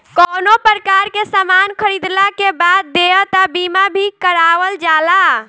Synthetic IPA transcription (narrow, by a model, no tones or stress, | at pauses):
kɔnopəɾəkaɾkesəmankʰəɾid̪lakebad̪̚ːeət̪əbimabʱikəɾaʋəld͡ʒala